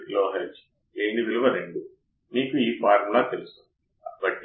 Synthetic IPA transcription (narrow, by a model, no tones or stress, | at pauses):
loːɦelt͡ʃ | eːɳɖid̪ilʋɐɾeɳɖu | miːkuiːpaːɾɐmlaːt̪elust̪ond̪i | ɐbɐʈː